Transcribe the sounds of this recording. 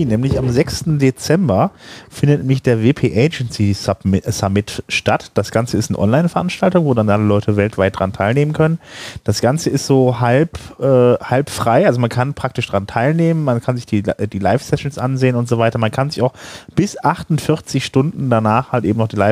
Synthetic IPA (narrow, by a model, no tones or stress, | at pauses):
nɛːmlɪçamzɛkstn̩det͡sɛmbɐfɪndətnɛmɪçd̥eːɐveːpʰeːʔeɪd͡ʒɛnsisamɪtʃtatd̥asɡ̥ant͡səɪstnəʔɔ̰nlaɪnfɛɐʔanʃtaltʊŋvoːdanʔaləlɔʏtʰəvɛltv̥aɪt̚d̥ʁantʰaɪlneːmənkʰœnənd̥asɡ̥ant͡səɪstz̥oːɦalpʔɛːhalpfʁ̥aɪʔalzomankʰanpʁ̥ak̚tɪʃd̥ʁantʰaɪlneːmənmankʰanzɪçd̥iːd̥iːlaɪfsɛʃn̩sʔa̰nzeːənʊntz̥ovaɪtɐmankʰanzɪçaʊxb̥ɪsʔaχtʊntfɪʁt͡sɪçʃtʊndn̩danaːχhaltʔḛːbm̩nɔχd̥iːlaɪ